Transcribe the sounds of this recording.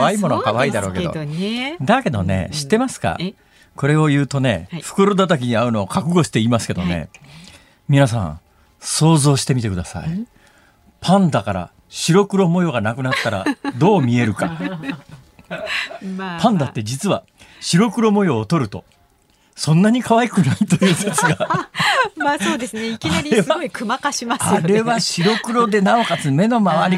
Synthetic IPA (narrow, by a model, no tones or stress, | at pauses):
aimo̞nokaβaiːd̪aɾo̞ːke̞do̰d̪ake̞d̪o̞ne̞̰ɕi̥t̪ːe̞masɨ̥ka̰ | ko̞ɾe̞o̞jɯ̟ːt̪o̞ne̞̰ɸɯ̟̥kɯɾo̞d̪at̪̬akʲiɲ̟iaɯ̟no̞ːkakɯ̟ɡo̞ɕi̥t̪e̞imasɨ̥ke̞d̪o̞̰ne̞̰ | mʲinas̬ã̰ | so̞ːzo̞ːɕi̥t̪e̞mʲit̪e̞kɯ̟d̪asa̰i | pʰãnd̪akaɾa̰ | ɕiɾo̞kɯ̟ɾo̞mo̞jo̞ɡanakɯ̟nat̪ːaɾad̪o̞ːmʲie̞ɾɯ̟ka̰ | pʰãnd̪at̪ːe̞d͡ʑit͡sɨβa | ɕiɾo̞kɯ̟ɾo̞mo̞jo̞ːt̪o̞ɾɯ̟t̪o̞̰ | sõ̞nːaɲ̟ikaβaikɯ̟nait̪o̞jɯːset͡sɨɡa | masoːd̪esɨneiinaɾʲaikɯmakaɕimasaɾeβaɕiɾo̞kɯ̟ɾo̞d̪e̞nao̞kat͡sɨme̞no̞maβaɾʲi